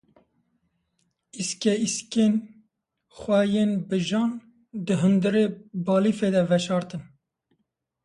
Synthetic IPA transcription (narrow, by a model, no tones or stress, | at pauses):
iskɛisken | xʷɛjeːnbɨʒɑːn | d̪ɨɦɨnd̪ɨɾeːbɑːlifeːd̪ɛvɛʃɑːɾt̪ɨn